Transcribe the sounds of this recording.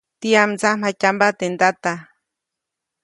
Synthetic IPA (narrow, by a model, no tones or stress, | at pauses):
t̪iamt͡sam̥acambat̪end̪at̪a